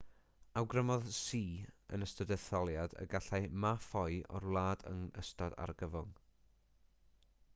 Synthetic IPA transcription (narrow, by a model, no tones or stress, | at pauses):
awɡrəmɔðsiːə̰nəstədɛθɔlˠjadə̰ɡaɬamafɔjɔ̰rlˠaːdə̰ŋəstɔda̰rɡəvʊŋ